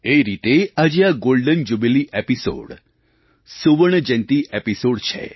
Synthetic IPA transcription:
eɾit̪ead͡ʒeaɡolɖənd͡ʒubeliʔepiso̰ɽ | suʋəɳəd͡ʒənt̪iʔepisoɽt͡ʃʰḛ

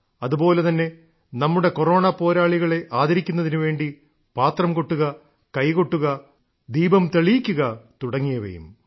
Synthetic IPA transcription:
ɐðubo̞ːle̞t̪ɐnːe̞ | nɐmːuɽe̞koro̞ːɳɐpo̞ːɾaːɭiɣɐɭe̞ʔaːd̪ɐɾikʲːunːɐðinuʋe̞ːɳɖi | paːt̪rɐmkoʈːuɣɐ | kɐjkoʈːuɣɐ | d̪iːbɐmt̪eɭijikʲːuɣɐt̪uɽɐŋːijɐʋḛjṵm

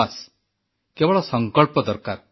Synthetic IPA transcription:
as | kɛʋɭɔsəŋkəɭpɔd̪əɾkaɾ

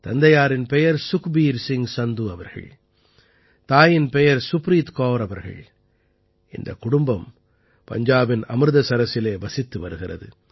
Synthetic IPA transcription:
t̪ɐnd̪ɐjaːɾɪnpɛjɐɾsʊkbiːɾsɪŋsɐnd̪uɐʋɐɾɣɐ̰ɭ | t̪aːjɪnpɛjɐɾsʊpɾiːt̪koːɾɐʋɐɾɣɐ̰ɭ | ɪnd̪ɐ̰kʊɽʊmbɐm | pɐ̰ɲd͡ʒaːbɪnɐmɾɯðɐsɐɾɐsɪleːʋɐsɪt̪ːɯʋɐɾɯɣɪrɐ̰ðɯ̰

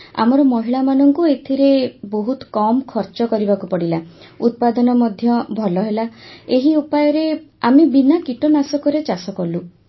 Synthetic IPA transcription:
a̰mɔɾɔmɔɦiɭamanɔŋkuet̪ʰiɾeboɦut̪ɔ̥kɔmkʰɔɾt͡ʃɔkɔɾibakupɔɽila | ut̪̚pad̪ɔnɔmɔd̪ʱjɔbʱɔlɔɦelaeɦiupajɔɾeamebinakiʈɔnasɔkɔɾet͡ʃasɔkɔlu

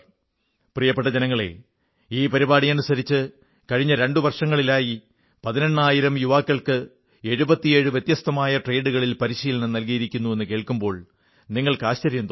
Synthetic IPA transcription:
prijɐpːe̞ʈ̬ːɐd͡ʑenɐŋːɐɭe̞̰ | iːpɐɾibaːɽijɐnusɐɾit͡ɕːɨ | kɐɻiɲːɐɾe̞ɳɖuʋɐrʂɐŋːɐɭilaːji | pɐðinɐɳːaːjiɾɐmjuʋaːkːɐɭkɨ | e̞ɻubɐt̪ːije̞ːɻɨʋjet̪jɐst̪ɐmaːjɐʈreːɖuɣɐɭilpɐɾiɕiːlɐɳɨnɐlkijiɾikʲːunːue̞nːɨke̞ːɭkumbo̞ːɭ | niŋːɐɭkɨaːɕt͡ɕɐɾjɐnd̪

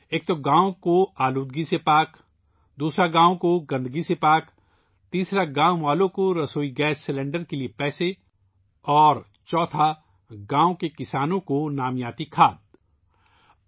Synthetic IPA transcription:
eːk̚t̪oɡãːõkoaːluːd̪̚ɡisepaːk | d̪uːsɾaɡãːõkoɡɐ̃nd̪ɡisepaːk | t̪iːsɾaɡãːoʋaːlõkoɾɐsoːiɡɛːsːɪlẽɳɖəɾkeliepɛːse | ɔːɾ | t͡ʃɔːt̪ʰa | ɡãːõkekɪsaːnõkonaːmjaːt̪ikʰaːd̪̚

